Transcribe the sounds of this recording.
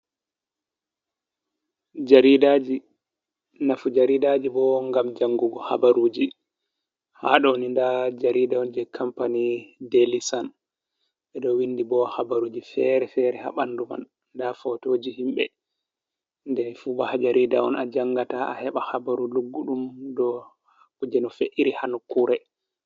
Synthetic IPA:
d͡ʒaɾidad͡ʒi | nafud͡ʒaɾidad͡ʒibɔŋɡamd͡ʒaŋɡuɡɔha̰baɾud͡ʒi | ha̰ɗɔnindad͡ʒaɾidaɔnd͡ʒɛkʰampanidelisan | ɓɛɗɔwindibɔhabaɾuːd͡ʒifɛɾɛfɛːɾɛha̰ɓanːduma̰n | ndafɔtoːd͡ʒihimɓɛ̰ | ndɛnfubahad͡ʒaɾidaɔ̰nad͡ʒaŋːɡataa̰hɛɓahabaɾuluɡːuɗumdɔ | kud͡ʒɛnɔfeʔiɾihanukuːɾɛ

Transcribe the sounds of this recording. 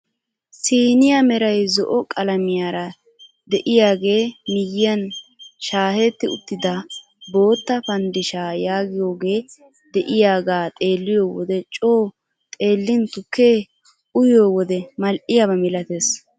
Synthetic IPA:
siːnɪjamɛɾɐjzɔʔɔkʼɐlɐmɪjaːɾɐ | d̪ɛʔɪjaːɡe̞ːmɪjɪjɐnʃaːhɛt̪ːɪʊ̰t̪ːɪd̪ɐ | bo̞ːt̪ːɐpɐnd̪ɪʃaːjaːɡɪjo̞ːɡe̞ː | d̪ɛʔɪjaːɡaːt̪ʼe̞ːlːɪjo̞ːwɔ̰d̪ɛt͡ʃʼo̞ː | t̪ʼe̞ːlːɪnt̪ʊkːe | ʔʊjoːwɔd̪ɛmɐlʔɪjabɐmɪlɐt̪eːs

